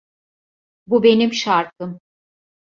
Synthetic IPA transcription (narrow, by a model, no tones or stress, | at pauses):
bube̞nimʃaɾkʰɯm